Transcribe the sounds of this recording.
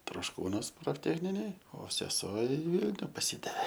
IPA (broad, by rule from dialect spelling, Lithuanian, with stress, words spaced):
troːʃˈkuːnuɔs proːfʲˈtʲæːxʲnʲɪnʲeːj oː sʲɛˈsuɔ ɪ ˈʋʲiːlʲnʲʊ pɐˈsʲɪdɐʋʲeː